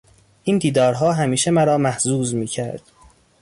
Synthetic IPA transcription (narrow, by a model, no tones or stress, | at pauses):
ʔiːnd̪iːd̪ɒːɾɦɒːɦæmiːʃemæɾɒːmæhzuːzmiːcʰæɾd̪̥